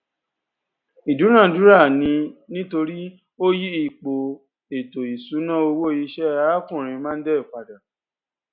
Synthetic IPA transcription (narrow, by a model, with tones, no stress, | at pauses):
i˨du˨˦ɾ̃ã˦˨du˨˦ɾa˦˨nĩ˧nĩ˦to˧ɾi˦ | o˦ji˦i˦˨k͡po˨ | e˨to˨i˨su˨˦nã˦o˧wo˦˨ji˧ʃɛ˦a˦kũ˦˨ɾ̃ĩ˧mã˦n̩˦dɛ˦i˦˨k͡pa˨da˨